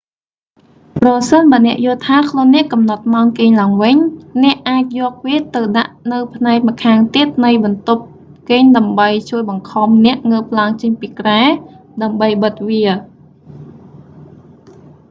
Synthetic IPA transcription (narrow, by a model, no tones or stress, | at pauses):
prɑsənɓaənɛ̆əʔjʊ̆lt̪ʰaːkʰluənːɛ̆əʔkɑmnɑt̪̚maɔnkeːɲlaəŋʋɨɲnɛ̆əʔʔːaːc̚jɔːk̚ʋiət̪ɨwɗaʔnɨwpʰnaɛk̚mə̆kʰaːŋt̪iət̪̚nɨjɓɑnt̪up̚ | keːɲɗaəmɓəjt͡ɕuəjɓɑŋkʰɑmnɛ̆əʔŋəːp̚ʰlaəŋt͡ɕəɲpiːkraɛ | ɗaəmɓəjɓət̪̚ʋiə